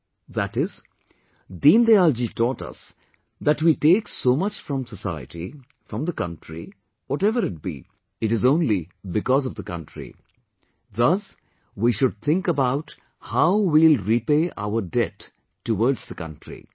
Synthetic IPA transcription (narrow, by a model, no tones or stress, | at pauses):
ðæʈɪz | d̪ĩnd̪eald͡ʒitɔːʈʌ̰s | ðæʈwiʈeːksoːmʌt͡ʃfɾʌ̃msəsaɪə̰ʈḭ | fɾʌ̃md̪əkʌ̃nʈɾḭ | wɔʈɛvəɾɪt̚b̥ḭ | ɨʈɨzõːnlibɪkɔzʌvd̪əkʌ̰̃nʈʰɾḭ | ðʌs | wiʃʊɖ̚t̪ʰɪ̃ŋkəbaʊʈ | haʊwilɾipeːʔa̰ʊəɾɖɛtː | uwɔɾdzðəkʌ̰̃nʈʰɾḭ